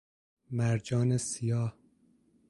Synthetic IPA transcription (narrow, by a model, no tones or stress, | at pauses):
mæɾd͡ʒɒːnesijɒːh